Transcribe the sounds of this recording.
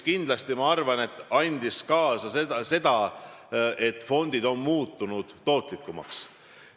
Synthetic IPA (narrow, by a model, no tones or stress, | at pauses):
kind̪lɑst̪imɑɑrvɑne̞t̪ːˑɑnʲd̪̥iskɑːsɑsed̪ɑse̞d̪̥ɑ | ʔe̞t̪ːˑfo̞nd̪id̪̥o̞nmuːt̪ːunud̪̥ːo̞ːt̪likːˑumɑ̰ks